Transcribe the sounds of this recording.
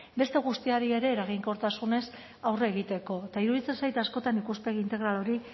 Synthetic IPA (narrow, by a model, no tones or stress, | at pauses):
be̞st̪e̞ɣ̞ust̪iaɾieɾe̞ːɾaɣ̞iŋko̞ɾt̪asune̞s | awreːɣ̞it̪e̞ko̞et̪aiɾuðit͡sensajt̪asko̞t̪anikuspe̞ɣiint̪e̞ɣ̞ɾalo̞ɾi